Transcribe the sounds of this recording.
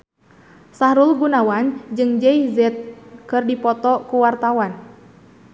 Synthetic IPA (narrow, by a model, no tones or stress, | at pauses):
saɾulɡunawand͡ʒɨŋd͡ʒɛizɛt̪̚kɨrdipɔt̪ɔkuwart̪awan